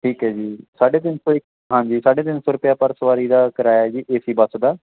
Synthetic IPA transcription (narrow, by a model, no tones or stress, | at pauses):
ʈʰiːkɦɛːd͡ʒiːsaːɖeːd̪ɪnsoɪk | ɦãːɲd͡ʒiːsaːɖeːd̪ɪnsʊɾʊpjaːpəɾsəʋaːɾiːd̪aːkəɾaːjad͡ʒiːʔeːsiːbəsd̪aː